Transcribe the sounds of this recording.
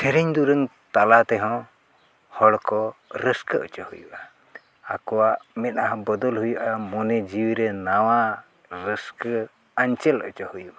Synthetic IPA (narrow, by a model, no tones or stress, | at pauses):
t̪ʰɛɾɛɲd̪uɾəŋ | t̪alat̪ɛɦɔ̃ | hɔɽkɔɾəskəə̰t͡ʃahujṵʔaː | kɔwaʔmɛt̪̚naɦbəd̪ɔlɦujuʔamɔnɛd͡ʒiwɾɛnawa | ɾəskə | aɲt͡ʃələ̰t͡ʃəhujuʔa